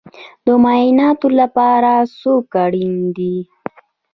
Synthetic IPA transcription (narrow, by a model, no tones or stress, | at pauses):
d̪əmajɪnɑt̪olapɑɾasokaɽind̪i